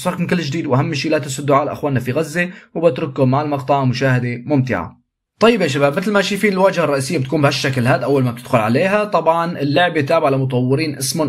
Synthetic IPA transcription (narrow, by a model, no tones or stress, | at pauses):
sˤɑɾkmɪnkɪlːɪd͡ʒd̪iːd̪wʔaɦamːɪʃiːlaːt̪ɪsʊd̪ːʊʕaːlʔa̰xwaːnːafiɣazːewbɪt̪ɾʊkːʊmːaʕɪlmɑqt̪ˤɑʕmʊʃaːhɪd̪emʊmt̪ɪ̰ʕa̰ | t̪ˤɑjːɪbʔeʃ̬abaːb̚mɪt̪̬lmaʃijfiːnɪlwaːd͡ʒharˤːɑʔiːsɪjːabɪt̪akuːmbɪhaʃːaklhaːd̪ʔawːalmab̚t̪ɪd̪xʊlʕa̰leːɦat̪ˤɑbʕɑnɪlːʊʕbet̪aːbɪʕalamʊt̪ˤɑwːɪɾiːnʔɪsmʊ